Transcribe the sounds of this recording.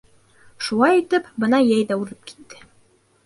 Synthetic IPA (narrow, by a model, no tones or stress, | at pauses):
ʃulˠɑjit̪ɘpbɤnɑjæjðæʉlɘp̚ki̥t̪ːɘ